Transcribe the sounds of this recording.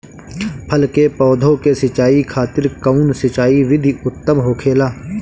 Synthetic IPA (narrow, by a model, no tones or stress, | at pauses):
pʰəlkepɔːd̪ʱõkesɪt͡ʃaːikʰaːt̪ɪɾkəʊnsɪt͡ʃaːiʋɪd̪ʱiʊt̪ːəmɦoːkʰeːlaː